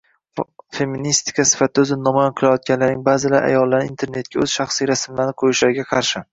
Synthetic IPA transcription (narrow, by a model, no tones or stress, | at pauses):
fe̞mːinist̪ɪ̥kʰasɪ̥fat̪ʰɪɵzɪnnɒmɒjɒnqʰɨlˠajɒt̪̚ɡʲanlaɾnɪŋbaːzɪlaɾʔa̰jɒlˠːaɾnɪint̪ʰeɾne̞t̪̚kʲaɵz̥ʃɑχsijɾasɪmlaɾnɪqʰojɪʃlaɾɪɡʲaqʰɑɾʃɪ